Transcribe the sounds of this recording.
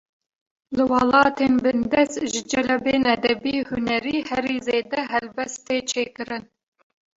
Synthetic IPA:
lɨwɑlɑːt̪ʰeːnbɨnd̪ɛst̪ʒɨd͡ʒɛlɛbeːnɛd̪ɛbiːhʊnɛɾiːhɛɾiːzeːd̪ɛɦɛlbɛst̪eːt͡ʃʰeːkɨɾɨn

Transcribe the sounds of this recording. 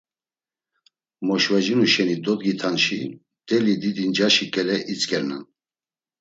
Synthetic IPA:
mɔʃvɛd͡ʒinuʃɛnid̪ɔd̪ɡit̪ʰanʃi | d̪̥ɛlid̪id̪ind͡ʒaʃikʼɛlɛʔit͡sʼkʼɛɾnan

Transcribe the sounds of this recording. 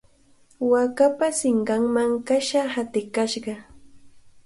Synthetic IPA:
wakapasɪŋɢɑŋmaŋkaʃahat̪ɪkaʃɢɑ

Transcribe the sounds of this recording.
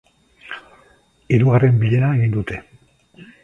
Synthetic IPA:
iɾuɣare̞mbiʎe̞naeɣind̪ut̪e̞

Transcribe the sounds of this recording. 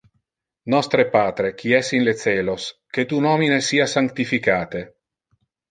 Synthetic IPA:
nɔst̪ɾepaːt̪ɾek̟iɛsinlet̪seːlosket̪unɔminesiːasaŋk̚t̪ifikaːt̪e

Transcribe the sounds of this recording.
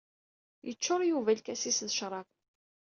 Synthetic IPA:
jət͡ʃːʊɾˤjuvælkæsisðəʃɾˤɑq

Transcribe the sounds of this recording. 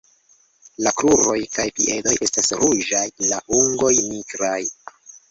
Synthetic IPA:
lakɾuɾo̞jkajpḭʔe̞do̞jʔe̞stasɾuʒajlaʔuŋɡo̞jniɡɾaj

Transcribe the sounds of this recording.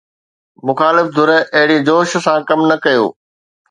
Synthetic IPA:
mʊxaːlɪfd̪ʱʊɾɛʔɐɦɪɽid͡ʑoːʃsãkɐmnɐkɐjo̰ː

